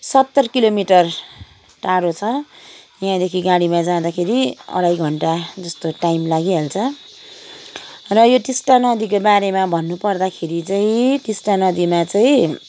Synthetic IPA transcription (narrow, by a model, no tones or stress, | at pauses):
sʌt̪ːʌrkilomiʈʌr | ʈaɽot͡sʰʌ | jãd̪ekʰiɡaɽimad͡zad̪akʰeɾiʌ̰ɽajɡʱʌɳʈad͡zʌst̪oʈajmlaɡiɦelt͡sʰʌ | rʌjoʈisʈanʌd̪ik̬obaɾemabʱʌnːupʌrd̪akʰeɾit͡saĩʈisʈanʌd̪imat͡saĩ